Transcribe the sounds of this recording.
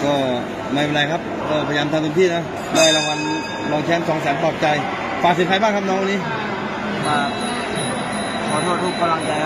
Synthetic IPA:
kɔː˥˩ | maː˧˥˩je˧nla˧jkʰa˦˥p̚kɔː˧˥˩pʰjaː˧mt̪ʰaː˧t̪o˧ŋt̪ʰiː˥˩na˦˥ | laː˧˩jla˧˩wa˧n | lɔː˧ŋt͡ɕʰɛː˦˥˩nsɔː˨˩˦ŋsɛː˨˦mpɔː˨˩p̚t͡ɕa˧j | faː˨˩k̚siː˨˦kʰa˧jbaː˥˩ŋkʰa˥nɔː˧˥ŋwa˧nːiː˧˥˨ | maː˧˩ | kʰɔː˧˩t̪ʰu˥˩əɾuː˥˩p̚kʰːa˧la˧ŋt͡ɕa˧j

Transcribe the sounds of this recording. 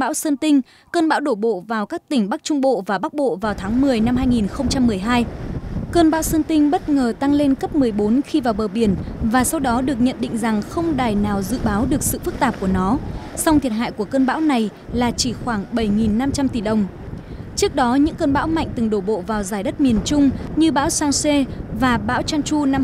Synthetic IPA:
ɓa̰ː˧˥wsə˧nt̪ï˧ŋ̟ | kəː˧nɓa̰ː˧˥wɗo˧˩ɓo̰˧˨vaː˨˩wkaː˦˥k̚t̪ï˧˩ŋ̟ɓa˦˥k̚t͡ɕʊ˧ŋ͡mɓo̰˧˨vaː˨˩ɓa˦˥k̚ɓo̰˧˨vaː˨˩wt̪ʰaː˨˦ŋmɨ˨˩əjna˧mɦaː˧jŋi˨˩nxə˧wŋ͡mt͡ɕa˧mːɨ˨˩əjɦaː˧jkəː˧nɓa̰ː˧˥wsə˧nt̪ï˧ŋ̟ɓə˦˥t̚ŋəː˨˩t̪a˧ŋle˧nkə˦˥p̚mɨ˨˩əjɓo˨˦nxi˧vaː˨˩wɓəː˨˩ɓi˧˩ənvaː˨˩sa˧wɗɔ˨˦ɗɨ˨˩ək̚ɲə̰˧˨nɗḭ̈˧˨ŋ̟za˨˩ŋxə˧wŋ͡mɗaː˨˩jnaː˨˩wzɨ̰˧˨ɓaː˨˦wɗɨ˨˩ək̚sɨ̰˧˨fɨ˦˥k̚t̪aː˨˩p̚ku˧˩ənɔ˨˦sa˧wŋ͡mt̪ʰi˨˩ət̚ɦa̰ː˧˨jku˧˩əkəː˧nɓa̰ː˧˥wna˨˩j | laː˨˩t͡ɕi˧˩xwaː˧˩ŋɓə˧˩jŋi˨˩nːa˧mt͡ɕa˧mt̪i˧˩ɗə˨˩wŋ͡m | t͡ɕɨ˦˥ək̚ɗɔ˨˦ɲɨ̰˧˥ŋkəː˧nɓa̰ː˧˥wma̰˧˨jŋ̟t̪ɨ˨˩ŋɗo˧˩ɓo̰˧˨vaː˨˩wzaː˧˩jɗə˦˥t̚mi˨˩ənt͡ɕʊ˧ŋ͡mɲɨ˧ɓa̰ː˧˥wsaː˧ŋse˧vaː˨˩ɓa̰ː˧˥wt͡ɕaː˧nt͡ɕu˧na˧m

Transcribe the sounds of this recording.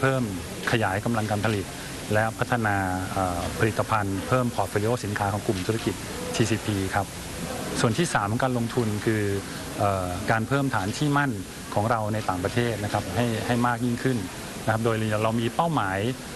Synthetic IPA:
pʰɤː˥˩m | kʰa˧jaː˩˦jka˧mla˧ŋkaː˧npʰa˧li˨˩t̪̚ | lɛ˦˥pʰa˦˥t̪ʰːa˧naː˧ʔəː˨˩pʰa˧li˨˩t̪ːa˧pʰa˧npʰɤː˥˩mpʰɔː˨˩t̪̚fli˧˦ʔoː˥˩si˩˦nkʰaː˦˥kʰɔː˩˦ŋklu˨˩mt̪ʰu˦˥a˧˩ki˨˩t̪̚ | t͡ɕʰiː˧si˨˩pʰiː˧kʰa˦˥p̚ | su˨˩ənt̪ʰiː˥˩saː˩˦m˦kaː˧nlo˧ŋt̪ʰu˧nkʰɯː˧ | ʔɤː˨˩kaː˧npʰɤː˥˩mt̪ʰaː˩˦nt͡ɕʰiː˥˩ma˥˩n | kʰɔː˩˦ŋɾa˧wna˧jt̪aː˨˩ŋpɾa˧t̪ʰeː˥˩t̪̚na˦˥kʰa˦˥p̚ɦa˥˩jha˥˩jmaː˥˩k̚ji˥˩ŋkʰɯ˥˩n | na˥kʰa˦˥p̚doː˧jli˧ja˨˩ɾa˧wmiː˧pa˥˩wmaː˩˦j

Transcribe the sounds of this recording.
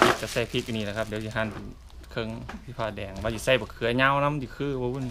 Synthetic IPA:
i˧˩t͡ɕa˧˩sa˧˩jpʰi˧˩k̚niː˧˩la˧˩kʰa˧p̚di˨˦wsʰi˧ɦaː˧˥˨npe˨n | kʰɤ˧˨ŋt̪ʰiː˧˩pʰaː˧˩dɛː˨˩ŋwaː˧si˧sa˧˩jbɔː˨˦kʰɯ˨˦ɐ˦ɲaː˧˥˨wna˧˥˨mti˧˩kʰɯː˧˥˨bɔː˧˦u˧˨n

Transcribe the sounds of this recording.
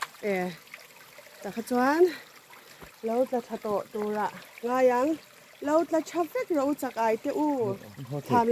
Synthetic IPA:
ʔɛ˨ | t̪a˨kʰa˧t͡swa˦n | lo˧˦wt͡ɬa˧t͡ɬʰa˧t̪ɔ˨ʔt̪u˨ra˧˨ʔŋaː˧˨ja˨˧˦ŋ | lo˧wt͡ɬa˧t͡ʃʰa˧fɛ˦k̚ra˧˨ʔu˦t͡sa˧˨k̚ʔa˨jt̪ɛ˦˧ʔu˦t͡ɬʰa˨m

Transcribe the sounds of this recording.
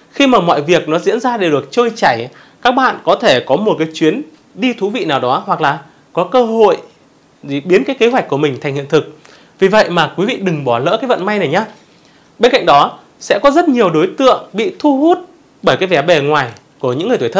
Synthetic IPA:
xi˧maː˨˩mɔ̰˧˨jvi˨˩ək̚nɔ˨˦zḭ˧˥ənzaː˧ɗe˧˩ɗɨ˨˩ək̚t͡ɕəː˧jt͡ɕa˧˩j | kaː˦˥k̚ɓa̰ː˧˨nkɔ˨˦t̪ʰe˧˩kɔ˨˦mo˨˩t̚kaː˨˦jt͡ɕwi˨˦ən | ɗi˧t̪ʰu˨˦vḭ˧˨naː˨˩wɗɔ˨˦hwa˨˩k̚laː˨˩ | kɔ˨˦kəː˧ɦo̰˧˨j | i˨˩ɓi˨˦ənkaː˨˦jke˨˦ɦwa˨˩k̟̚ku˧˩əmï˨˩ŋ̟t̪ʰa˨˩jŋ̟hḭ˧˨ənt̪ʰɨ˨˩k̚ | vi˨˩və̰˧˨jmaː˨˩kwi˨˦vḭ˧˨ɗɨ˨˩ŋɓɔ˧˩lə̰ː˧˥kaː˨˦jvə̰˧˨nma˧jna˨˩jɲaː˧ | ɓe˧nka̰˧˨jŋ̟ɗɔ˨˦ | sɛ̰˧˥kɔ˨˦zə˦˥t̚ɲi˨˩əwɗo˨˦jt̪ɨ̰˧˨əŋɓḭ˧˨t̪ʰu˧hu˦˥t̚ | ɓəː˧˩jkaː˨˦jvɛ˧˩ɓɛ˨˩ŋwaː˨˩j | ku˧˩əɲɨ̰˧˥ŋːɨ˨˩jt̪ʰːt̪ʰ

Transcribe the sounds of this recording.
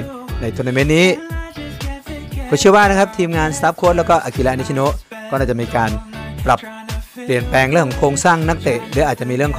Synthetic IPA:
na˧jt̪ʰɯː˧na˧me˦˥nnːiː˦˥ | kʰɔː˧˩t͡ɕʰɯ˥˩əwaː˥˩na˦˥kʰa˦˥p̚t̪ʰiː˧mŋaː˧nst̪aː˦˥p̚kʰoː˦˥t̚lɛː˦˥kɔː˥˩ʔa˧˩ki˧la˦˥na˧˦˥t͡ɕʰi˧no˦˥ʔkɔː˥˩naː˥˩t͡ɕa˨˩miː˧kaː˧npɾa˨˩pː | li˨˩ənpɛː˧ŋɾɯ˥˩kʰːɔ˨˦ŋkʰoː˧ŋsaː˥˩ŋna˦˥k̚t̪e˨˩ʔdɯ˨˧˦ʔaː˨˩t̪̚t͡ɕa˨miː˧ɾɯ˥˩əŋkʰ

